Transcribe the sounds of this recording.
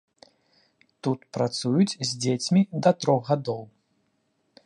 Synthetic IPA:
t̪ut̪pɾat̪sujut͡sʲzʲd͡zʲet͡sʲmʲid̪ɐt̪ɾɔɣɣad̪ɔw

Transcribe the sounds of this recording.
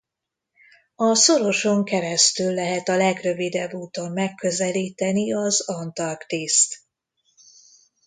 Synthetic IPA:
ɒsoɾo̞ʃo̞ŋkɛɾɛst̪ylːɛɦɛt̪ɒlɛɡrøvid̪ɛbːuːt̪omːɛkːø̞zɛliːt̪ɛniɒzɒnt̪ɒrkt̪eːst̪

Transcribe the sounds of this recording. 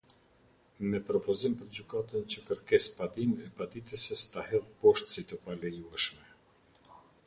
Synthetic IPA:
mɛpɾɔpɔzimpəɾd͡ʑykat̪ənt͡ɕəkəɾkɛspad̪inɛpad̪it̪ɛsɛst̪ahɛlpɔʃt̪sit̪əpalɛjuɛʃmɛ

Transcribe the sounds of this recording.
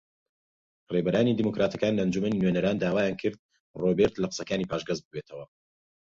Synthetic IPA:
rebɐɾaːnid̪iːmokɾaːt̪ʰɐkaːnlɐnd͡ʒumɐninɥenɐɾaːnd̪aːwaːjaːnkʰɨɾd̪̚ | robeɾt̪lɐqɨ̥sɐkaːniːpʰaːʃɡɐzbɨbet̪ʰɐwɐ

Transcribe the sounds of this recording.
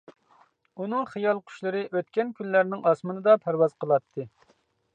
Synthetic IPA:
unɨŋχijɑlˠqʰy̥ʃlˠɨɾɨʔøt̪kʲɛnkʲynlːæɾnɪŋɑsmɨnɨd̪ɑpʰæɾwɑz̥qʰəlˠɑt̪ʰːɨ

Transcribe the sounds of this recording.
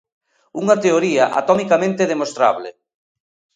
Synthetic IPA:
uŋɐt̪eoɾiɐʔa̰t̪omikamẽnt̪eðemost̪ɾa̰βlɪ̰

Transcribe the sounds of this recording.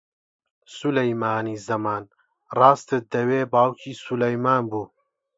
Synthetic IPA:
sulɐjmaːniːzɐmaːn | raːst̪ɨt̪̚d̪ɐweːbaːwkʰiːsulɐjmaːnbuː

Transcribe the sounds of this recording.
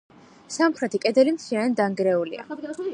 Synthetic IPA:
samχɾɛt̪ʰikʼɛd̪ɛlimt̪sʰiaɛnd̪aŋɡɾɛulḭa̰

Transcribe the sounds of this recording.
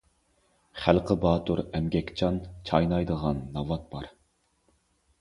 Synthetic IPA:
χælqʰəbɑːt̪uɾɛmɡʲɛkʲt͡ʃʰɑnt͡ʃʰɑjnɑjd̪əʁɑnːɑvɑt̪̚b̥ɑɾ

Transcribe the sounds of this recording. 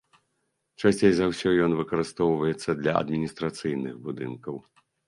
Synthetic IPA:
t͡ʂasʲt͡sʲejzawsʲɔjɔnvɨkɐɾɨst̪ɔwvɐjɛt̪sːɐd̪lʲɐɐ̰d̪mʲinʲist̪ɾat̪sɨjnɨxbud̪ɨnkɐw

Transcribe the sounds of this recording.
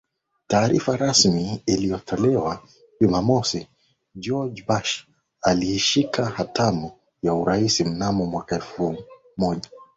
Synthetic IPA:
taːɾifaɾasmiːlijɔtʰɔlɛwa | ʄumamɔsi | d͡ʒɔd͡ʒbaʃ | alihiʃikahatamu | jauɾaisim̩namɔmwakaɛf | mɔʄa

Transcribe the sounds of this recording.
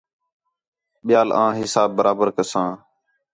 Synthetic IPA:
ɓɪjaːlãːɦɪsaːbːəɾʔaːbəɾkəsãː

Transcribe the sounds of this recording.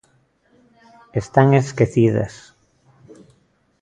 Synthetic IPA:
est̪aŋeskeθiðɐ̰s

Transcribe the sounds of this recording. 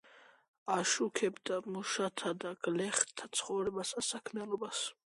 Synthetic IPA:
aʃukʰɛbd̪amuʃat̪ʰad̪aɡ̥lɛχt̪ʰːḁt̪sʰχɔvɾɛbasasakʰmialɔbas

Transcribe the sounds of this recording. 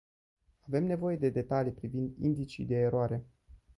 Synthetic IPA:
ave̞mne̞vo̞je̞d̪e̞d̪e̞t̪alipɾivind̪ḭnd̪it͡ʃḭd̪e̞ːɾoaɾe̞

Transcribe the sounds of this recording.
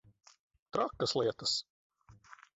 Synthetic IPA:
t̪ɾakːɐslˠiɛt̪ɐs

